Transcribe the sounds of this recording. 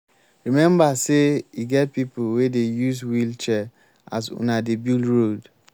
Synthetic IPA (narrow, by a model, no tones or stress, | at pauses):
ɹimɛ̃mbaseiɡɛt̚pipuwedejuzwilt͡ʃɛ | a̰zṵnadebilɹod